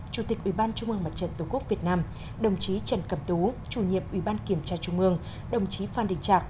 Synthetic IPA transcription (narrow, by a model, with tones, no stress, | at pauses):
t͡ɕu˧˩t̪i˨˩k̚ʔwi˧˩ɓaː˧nt͡ɕʊ˧ŋ͡mʔɨ˧əŋma˨˩t̚t͡ɕə̰˧˨nt̪ʊ˧˩ŋ͡mku˦˥ək̚vi˨˩ət̚naː˧m | ɗə˨˩wŋ͡mt͡ɕi˨˦t͡ɕə˧˩nkə˧˩mt̪u˨˦t͡ɕu˧˩ɲḭ˧˨əmʔwi˧˩ɓaː˧nki˧˩əmt͡ɕaː˧t͡ɕʊ˧ŋ͡mʔɨ˧əŋ | ɗə˨˩wŋ͡mt͡ɕi˨˦faː˧˩nɗḭ˧˨ŋ̟t͡ɕaː˨˩k̚